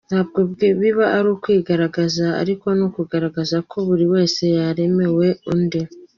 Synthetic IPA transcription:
n̥haːb̚ɡo̞bɡβiβaʔːɾukwiːɡaɾaɡazaa̰ɾiko̞nukuɡaɾaɡazakʰo̞βuɾiwe̞ːse̞jaɾe̞me̞we̞unde

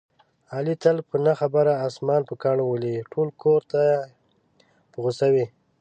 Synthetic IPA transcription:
ɑlit̪alpənaxabaɾaːsmɑnpəkɑɳwəliʈʰolkʰoɾt̪a | pəɣəsawi

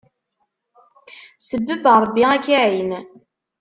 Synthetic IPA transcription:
səbːəbɾˤbːiʁækːiʕin

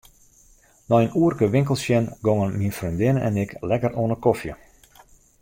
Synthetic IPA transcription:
nɔjənuərkəʋɪŋkəlˠsjɛnɡoŋənminfrøndɪnəʔɛ̰nɪklɛkəroənəkofjə

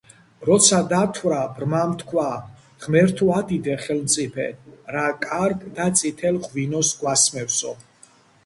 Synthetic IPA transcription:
ɾɔt̪sʰad̪at̪ʰwɾabɾmamt̪ʰkʰwa | ʁmɛɾt̪ʰuad̪id̪ɛχɛlmt̪sʼipʰɛ̰ɾakʼaɾɡd̪at̪sʼit̪ʰɛlʁvinɔsɡwasmɛfsɔ

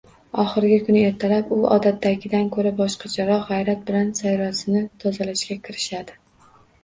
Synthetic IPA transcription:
ɒχɨɾɡʲɪkʰʊnɪe̞ɾt̪ʰalapʊɒ̰d̪at̪ːaɡʲɪd̪ankʰɵɾabɒʃqʰɑd͡ʒʰaɾɒʁajɾat̪̚bɪlansajɾɒsɪnɪt̪ʰɒzalaʃɡʲakʲʰɪɾɪʃad̪ɪ

